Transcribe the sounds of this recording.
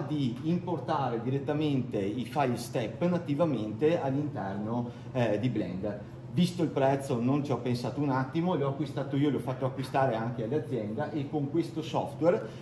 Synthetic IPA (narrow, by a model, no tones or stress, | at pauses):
d̪iːmport̪aːɾed̪iɾet̪ːament̪eifajlst̪ɛpːnat̪ːivament̪ealːint̪ɛrno | d̪iblɛ̰nd̪ | vist̪oilpɾɛt̪sːonont͡ʃiɔpːensaːt̪ounat̪ːimolɔakːwist̪aːt̪oiːoleɔfːat̪ːoakːwist̪aːɾeaŋkealːead̪zːjɛnd̪aʔekːoŋkwest̪osɔft̪wɛr